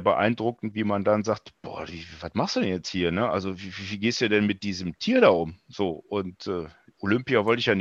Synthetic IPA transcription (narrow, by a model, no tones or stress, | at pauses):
bəʔa̰ɪndʁʊkn̩tv̥iːmandanzaːktb̥ɔ̰ːɐviːvvatmaχstd̥uːdɛnjɛt͡sthiːɐnəʔa̰lzovivviːɡeːstdu̥duːdɛnmɪt̚d̥iːzəm̩tʰiːɐɾaːʔʊmz̥oːʔʊntʔɛːʔolʏmpiavɔltɪçjaːnɪ